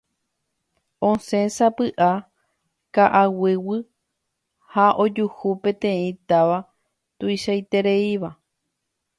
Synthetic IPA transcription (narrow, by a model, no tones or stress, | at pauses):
õsẽ̞sapɨʔa | kaʔawɨwɨ | haʔod͡ʒuhupẽ̞t̪ẽĩt̪aʋa | t̪uiʃajt̪e̞ɾeiʋa